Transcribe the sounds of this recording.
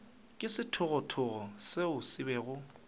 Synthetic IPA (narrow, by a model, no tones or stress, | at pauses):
kʼɪsɪtʰʊɣɔtʰʊɣɔsɪʊsɪbɛːɣʊ